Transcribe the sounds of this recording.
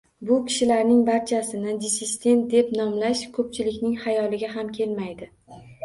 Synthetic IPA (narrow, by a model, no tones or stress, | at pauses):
bʊkʲʰɪ̥ʃɪlaɾnɪŋbaɾt͡ʃʰasɪnɪd̪ɪsɪsd̪e̞nt̪̚d̪e̞pnɒmlaʃkʰɵp̚t͡ʃʰɪlɪkʲnɪŋhajɒlɪɡʲaɦamkʲʰe̞lmajd̪ɪ